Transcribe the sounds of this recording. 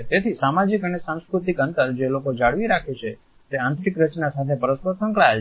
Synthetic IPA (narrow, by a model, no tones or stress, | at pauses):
t̪et̪ʰisamad͡ʒikənesãnskɾut̪ikənt̪əɾd͡ʒelokod͡ʒaɽʋiɾakʰet͡ʃʰe | t̪eãnt̪ʰɾikɾət͡ʃnasat̪ʰepəɾət̪pəɾsə̃ŋkɭaj